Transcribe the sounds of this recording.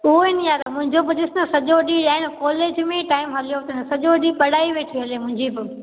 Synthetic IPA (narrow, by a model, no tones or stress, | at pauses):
ʊɦoɪnijaːɾɐmʊ̃ɦɪ̃ɲd͡ʑobɪd͡ʑɪsnɐsɐʄoɗiɗaːɪñɪkɔːleːd͡ʑmẽʈaːɪmɦɐlijot̪ɐnɐsɐʄoɗipɐɽaːiʋeːʈʰiɦɐlemʊ̃ɦɪ̃ɲd͡ʑibɪ